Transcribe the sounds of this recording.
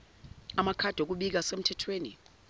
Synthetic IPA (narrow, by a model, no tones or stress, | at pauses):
amakʰad̥ʱok̬uɓik̬asem̩tʰɛtʰweːnḭ